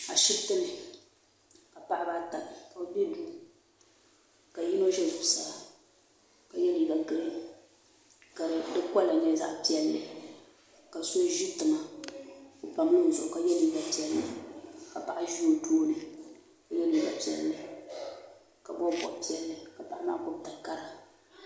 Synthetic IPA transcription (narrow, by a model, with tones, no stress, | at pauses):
a˨ʃɪ˦btɨ˦nɨ˨ | ka˨pa˦ʔa˦ba˦ta˨nɨ˨ka˨˦bi˦du˦ | ka˨ji˦no˦ʒɛ˦lɨ˨bsa˨la˨ | ka˨jɛ˦li˨ɡa˨ɡɨ˦ɾɨ˦ | ka˨ɾɨ˨dɨ˦kɔ˦lːa˨ɲɛ˦za̰˦ʔpi˦ɛ˦lːɨ˨ | ka˨so˦ʒi˦tɨ˨ma˨ | o˨pa˨m˦nɨ˦n˨zʊ˨ʔʊ˨ka˨jɛ˦li˦ɡa˨pi˨ɛ˨lːɨ˨ka˨pa˨ʔa˦ʒi˦o˦˨doː˦nɨ˨ | ka˨jɛ˦li˨˦ɡa˨pi˦ɛ˨lːɨ˨ | ka˨bɔ˦bɔ̰˨pi˦ɛ˨lːɨ˨ka˨pa˦ʔa˦ma˦kʊ˦b̚ta˨ka˦ɾa˨